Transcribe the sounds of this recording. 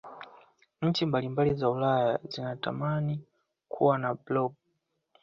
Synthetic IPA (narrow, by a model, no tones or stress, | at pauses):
ɲ̩t͡ʃimbalimbalizaulajazinata̰mani | kʰuwanablɔb̚